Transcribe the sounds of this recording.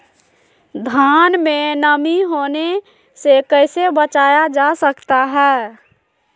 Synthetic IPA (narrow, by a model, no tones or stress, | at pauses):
d̪ʱaːnmenəmiɦone | sekəɪsebət͡ʃaːjad͡ʒasəkt̪aɦɛː